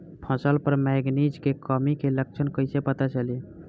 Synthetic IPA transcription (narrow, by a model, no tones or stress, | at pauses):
pʰə̃səlpəɾmɛɡnid͡ʒkekəmikelək̚t͡ʃʰənkəjsepət̪at͡ʃəli